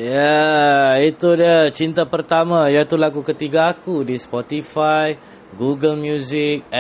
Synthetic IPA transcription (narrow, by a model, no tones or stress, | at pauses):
ja | it̪udiat͡ʃint̪apərt̪amãjat̪ulaɡukət̪iɡaːkudispɔt̪ifaj | ɡuɡəlmjuzɪk̚